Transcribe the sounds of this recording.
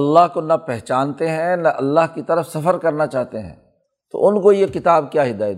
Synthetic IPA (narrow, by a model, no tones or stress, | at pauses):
ɐlːaɦkonɐpɛɦt͡ʃaːnt̪eɦɛ̃nɐʔɐlːaːɦkit̪ɐɾəfsɐfəɾkɐɾnat͡ʃaːɦt̪eɦɛ̰̃ː | t̪o̰ʔʊnkojekɪt̪aːbkjaːɦɪd̪aːjət̪